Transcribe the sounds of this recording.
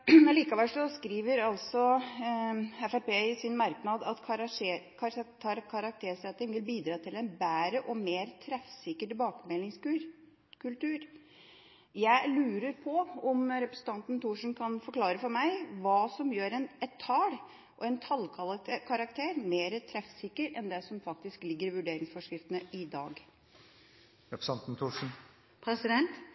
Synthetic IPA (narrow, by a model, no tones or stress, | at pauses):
liːkɑʋɛlʂɔskɾiːʋəɾɑlsɔ | ɛfæɾpeːɪsɪnmɑɾknɑd̪ɑt̪ʰ | kʰɑ | ɑɾkʰɑɾɑk̚t̪ʰeːʂɛt̪ːɪŋʋɪlbiːd̪ɾɑːt̪ʰɪlɛnbæːɾəʔɔmeːɾt̪ʰɾɛfsɪkəʈɪbɑːkəmɛlɪŋsʉ | kʰʉlt̪ʉːɾ | jæɪlʉːɾəɾpʰɔɔmɾɛpɾəsən̩t̪ɑnt̪nt̪uːʂn̩kʰɑnfɔɾkʰlɑːɾəfɔɾmæɪʋɑːsɔmjøːɾɛnɛt̪ʰːɑːɽ | ʔɔɛnt̪ʰɑlkʰkʰɑɾɑk̚t̪ʰeːɾmeːɾət̪ʰɾɛfsɪkəɾʔɛnd̪ɛsɔmfɑk̚t̪ɪsklɪɡːəɾʋʉɖeːɾɪŋsfɔʂkɾɪft̪ənəʔɪd̪ɑːɡ | ɾɛpɾəsɑnt̪n̩t̪ʰuːʂn̩ | pʰɾɛsɪd̪ɛnt̪